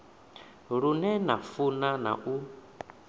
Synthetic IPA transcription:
ɺunɛnafunana̰ʔu

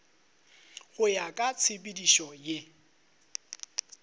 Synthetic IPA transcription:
ɣʊjakʼat͡sʰɪpʼidiʃɔje

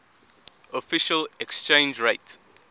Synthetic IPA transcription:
ɔfɪʃəlɛkst͡ʃẽnd͡ʒɹeɪt

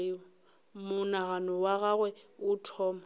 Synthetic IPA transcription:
mʊnaɣanɔwaɣaɣwɛʊtʰɔːma

